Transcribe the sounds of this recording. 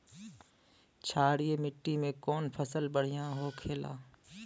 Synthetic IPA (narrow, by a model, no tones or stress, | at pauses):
t͡ʃʰaːɽijemɪʈːimẽkɔːnpʰəsəlbəɽ̤ijãɦokʰeːla̰ː